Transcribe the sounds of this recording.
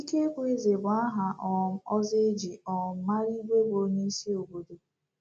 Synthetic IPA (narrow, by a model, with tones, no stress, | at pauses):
i˦ke˦kʷʊ˦e˦ze˨bʊ˨a˦ɦa˨ʔɔ˨˦ɔ˦ze˦d͡ʒi˨ɔ˨˦ma˦ɾi˦ɡʷe˦bo˨˦ɲe˦si˦o˨bo˨do˨